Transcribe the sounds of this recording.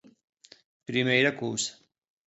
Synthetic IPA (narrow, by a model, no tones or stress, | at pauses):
pɾimejɾɐkuːs